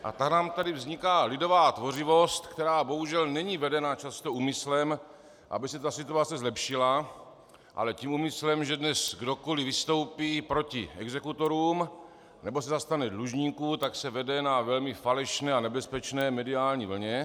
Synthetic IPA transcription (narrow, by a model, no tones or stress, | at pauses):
ʔa̰t̪aknaːmt̪adɪvzɲɪkaːlɪdo̞vaːt̪vo̞r̝ɪvo̞st̪kt̪ɛɾaːbo̞ɦuʒɛlnɛɲiːvɛdɛnat͡ʃast̪o̞ʔuːmɪslɛm | ʔa̰bɪsɛt̪asɪt̪uat͡sɛzlɛpʃɪla | ʔa̰lɛciːmumɪslɛmʒɛdnɛsɡdo̞kolɪvɪst̪o̞wpiːpɾo̞cɪɛɡzɛkut̪o̞ɾuːm | nɛbo̞sɛzast̪anɛdluʒɲiːkut̪aksɛvɛdɛnavɛlmɪfalɛʃnɛːanɛbɛspɛt͡ʃnɛːmɛdiaːlɲḭːvl̩ɲɛ